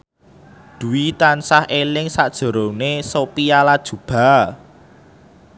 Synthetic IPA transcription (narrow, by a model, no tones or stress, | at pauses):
d̪̥ṳwit̪ansahelɪŋsad̥ʒ̥ə̤ɾonesopialad̥ʒ̥ṳb̥a̤